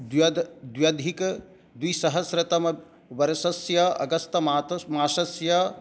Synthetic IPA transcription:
d̪jɐd̪d̪wjɐd̪ʱik | d̪wisɐɦɐsɾɐt̪ɐmɐ | ʋɐɾsɐsjɐɐ̰ɡɐst̪ɐmaːt̪maːʃɐsjɐ

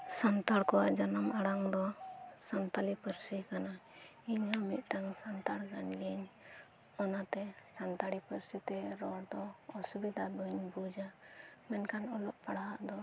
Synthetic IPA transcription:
sant̪aɽkɔwaʔd͡ʒanamʔaɽaŋd̪ɔsant̪alipəɾsikanaiɲamit̪̚ˀʈ̪aŋsant̪aɽkanɡɛɲ | ɔnat̪ɛsant̪aɽipəɾsit̪ɛɾɔɽd̪ɔɔsubid̪ʱabəɲbud͡ʒamɛnkanɔlɔʔpaɽaɦaʔd̪ɔ

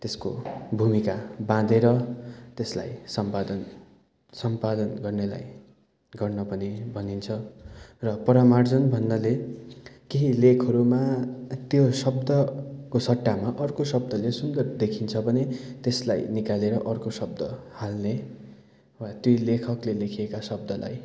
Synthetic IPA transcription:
t̪esko̰bʱumikabãd̪eɾʌt̪esla̰jsʌmpad̪ʌn | sʌmpad̪ʌnɡʌrnela̰j | ɡʌrnʌpʌnibʱʌnint͡sʰʌrʌpʌɾʌmard͡zʌnbʱʌnːʌle | keɦilekʰʌɾumat̪josʌbd̪ʌkosʌʈːamaʔʌrkosʌb̚d̪ʌlesund̪ʌrd̪ekʰint͡sʰʌbʱʌnet̪esla̰jnikaleɾʌʔʌrkosʌb̚d̪ʌhalne | wat̪jujlekʰʌklelekʰijekasʌb̚d̪ʌla̰j

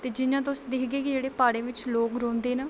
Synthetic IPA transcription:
t̪eːd͡ʒɪnãːt̪̬ʊsd̪ɪkʰɡeːkid͡ʒeːɽeːpaːɽẽːʋɪt͡ʃloːkɾõːnd̪eːnə

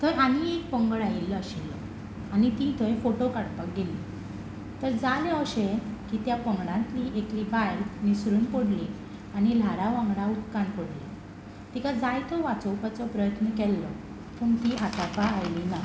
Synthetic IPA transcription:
t̪ʰəjʔaniek̚pəŋɡəɭailːəɕelɔ | añit̪ĩt̪ʰəjfoʈokaɽpak̚ɡeli | t̪əɾd͡zaleəɕekit̪japəŋɡɽãnt̪liʔekɾibajnisɾuːnpoɽli | añil̤aɾaʋãŋɡɽaut̪kanpoɽle | t̪ikad͡zajt̪ʰɔʋat͡səwpat͡sɔpɾəjət̪nəkɛlːɔ | pʰəŋɡt̪iat̪apaːjlina

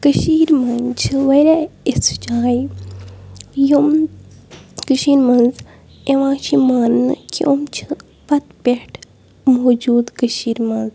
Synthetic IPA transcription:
kəʃiːɾmɐnt͡ʃʰiʋɐɾaist͡ʃaːji | jum | kəʃiːɾmɐnz | eʋãːt͡ʃʰimaːnnkʰo̰mt͡ʃʰɨ | pɐt̪peʈʰ | moːd͡ʒuːd̪kəʃiːɾmɐnz

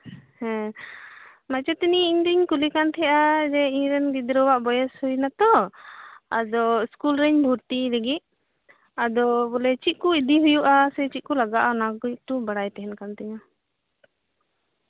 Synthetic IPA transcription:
hɛ̃ | mat͡ʃɛt̪iniiɲd̪iɲkulikant̪ʰɛjʔad͡ʒɛiɲɾɛnɡid̪ɾɔwaʔbɔjɛshujnat̪ɔ | a̰d̪ɔskulɾɛɲbʱuɾt̪ilɛɡiʔ̪̚ | ad̪ɔbɔlɛt͡ʃit̪̚ˀkuid̪iɦujuʔasɛt͡ʃit̪̚kulaɡaʔanaɡɔʔ̚ʈubaɽajt̪ɛɦɛnkant̪ɛɲa

